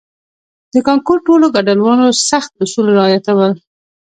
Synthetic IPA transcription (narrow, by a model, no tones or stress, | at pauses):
d̪̥əkɑŋkoɾʈoloɡaɖalwɑnosaxt̪̚ʊsulɾɪɑjat̪awəl